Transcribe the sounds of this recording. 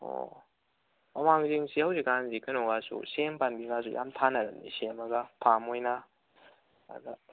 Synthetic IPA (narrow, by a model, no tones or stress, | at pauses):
o̰ | mɐmaŋziŋsihawzikanzikʰɯnɔɡasṵsempanbiɡas̬ujʔa̰mtʰanɐɾɐnḭsemɐɡapʰamojna | a̰d̪a